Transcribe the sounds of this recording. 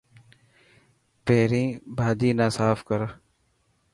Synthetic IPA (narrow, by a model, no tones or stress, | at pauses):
peːɾĩːbʱaːd̪iːnãːsaːfkəɾ